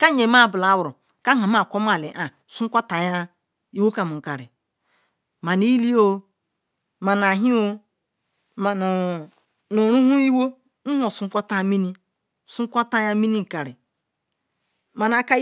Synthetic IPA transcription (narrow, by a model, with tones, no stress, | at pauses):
ka˦ɲe˨ma˦˨bla˨˦wɾu˨ | ka˦ŋa˨m˦a˦˨ko˦m˦a˨le˨ʔa˨ | su˦ŋ˦kʷa˦ta˨ja˦ | i˦wo˦ka˨mu˨ŋ̩˨ka˨ɾi˨ | ma˨ni˦li˦o˦ | ma˨na˨ɦi˦o˦ | ma˨n˨ | nu˨ɾu˦ɦu˦i˦wo˦ | n̩˦ho˨su˦ŋ˦kʷa˦ta˦˨˦mi˦ni˦˨ | su˦kʷa˦ta˦ja˦mi˦ni˦ŋ̩˨ka˨ɾi˨ | ma˨na˨ka˦